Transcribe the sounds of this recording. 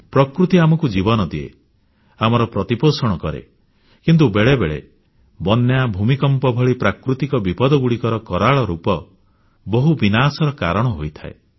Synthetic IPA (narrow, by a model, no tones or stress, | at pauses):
pɾɔkɾut̪iamɔkud͡ʒibɔnɔd̪iḛ | amɔɾɔpɾɔt̪iposɔɽ̃ɔkɔɾḛ | kint̪̬ubeɭebeɭḛ | bɔnjabʱumikɔmpɔbʱɔɭipɾakɾut̪ikɔbipɔd̪ɔɡuɽikɔɾɔkɔɾaɭɔɾupɔ | bɔɦubinasɔɾɔka̰ɾɔɽ̃ɔɦojt̪ʰa̰ḛ